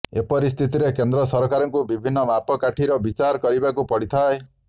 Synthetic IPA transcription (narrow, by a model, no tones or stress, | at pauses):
epɔɾist̪ʰit̪iɾekend̪ɾɔsɔɾɔkaɾɔŋkubibʱinːɔmapɔkaʈʰiɾɔbit͡ʃaɾkɔɾibakupɔɽit̪ʰae